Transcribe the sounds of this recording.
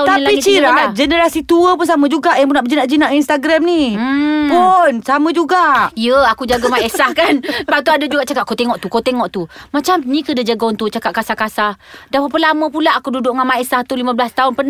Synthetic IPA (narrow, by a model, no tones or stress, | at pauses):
t̪alit͡ʃiad͡ʒənəɾasit̪uəpunsamə̃d͡ʒuɡaʔjaŋpunaʔbəd͡ʒinaʔd͡ʒinaʔinst̪aɡɾamnipunsamə̃d͡ʒuɡaʔijəakud͡ʒaɡamaesahkanbat̪uadad͡ʒuɡaʔt͡ʃakat̪ʔ̚kot̪eŋɔʔt̪ukot̪eŋɔʔt̪umat͡ʃamnĩkədəd͡ʒaɡaunt̪ut͡ʃakatʔ̚kasahkasah | dapapəlamə̃pulaʔakududʊʔŋamaesaht̪ulimãblast̪aʊnpən